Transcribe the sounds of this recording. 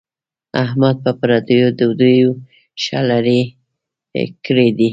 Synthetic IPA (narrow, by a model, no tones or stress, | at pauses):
ahmad̪̚papaɾad̪əjod̪əwd̪ujo | ʃalaɾi | kəɽed̪i